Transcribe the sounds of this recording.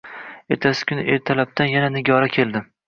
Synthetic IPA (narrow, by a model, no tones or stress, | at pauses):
e̞ɾt̪ʰasɪ̥kʲʰʊnɪ̰ʔe̞ɾt̪ʰalab̚t̪ʰanjananɪɡʲɒɾakʲʰeld̪ɪ